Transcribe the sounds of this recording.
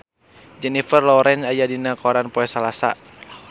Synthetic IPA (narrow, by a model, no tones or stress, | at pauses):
d͡ʒɛnifərlɔɾɛnajadinakɔɾanpɔɛsalasa̰